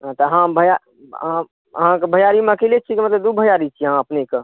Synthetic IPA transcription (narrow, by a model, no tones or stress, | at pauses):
ɦt̪ɔɦãbʱəja | ã | ɦãkebʱəjaɾimə̃kelet͡ʃʰikimət̪ləbd̪ubʱəjaɾit͡ʃʰiɦãəpneke